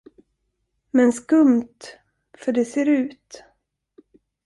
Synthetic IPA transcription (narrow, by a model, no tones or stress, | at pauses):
mɛnskɵmt̪ | fœɖɛseːɾʉ̟ːt̪